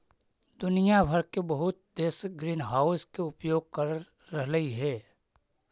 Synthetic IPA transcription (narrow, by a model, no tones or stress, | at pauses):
d̪ʊnijabʱəɾkebəɦʊt̪̚d̪eːsɡɾiːnɦaːʊskeʊpjoːɡ̚kəɾː | əɦləiɦɛː